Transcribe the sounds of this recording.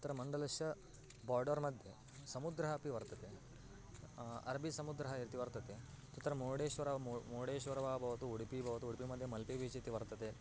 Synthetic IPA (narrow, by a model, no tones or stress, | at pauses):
t̪ɐɾɐmɐɳɖɐlɐʃjɐ | baːɾɖɐɾmɐd̪ʱje | sɐmud̪ɾɐɦɐpiʋɐɾt̪ɐt̪e | ɐ̰ɾbʱisɐmud̪ɾɐɦɐiɾt̪iʋɐɾt̪ɐt̪e | t̪ut̪ːɐɾɐmoːɽeːʃʋɐɾɐmoːɽeːʃʋɐɾɐʋaːbʱɐʋɐt̪uuɽipibʱɐʋɐt̪uuɽipimɐd̪ʱjemɐlpeʋit͡ʃit̪iʋɐɾt̪ɐt̪e